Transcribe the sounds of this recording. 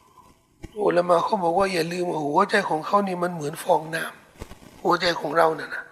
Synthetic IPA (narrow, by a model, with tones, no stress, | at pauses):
ʔoː˧˩la˧maː˧˩kʰa˧˥˩wbɔː˨˩k̚waː˥˩jaː˨˩lɯː˧mwaː˧˩hu˩˦ɐ˦t͡ɕa˧jkʰɔː˨˩˦ŋkʰa˧˥˩wniː˧˩ma˧˥˨nmɯ˨˩˦ənfɔː˧ŋnaː˧˥˩m | hu˨˩˦ɐt͡ɕa˧jkʰɔː˩˦ŋɾa˧wna˧˩na˦˥